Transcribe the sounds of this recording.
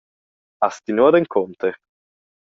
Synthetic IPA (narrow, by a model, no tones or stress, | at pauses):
ast̪inuad̪eŋkʰont̪e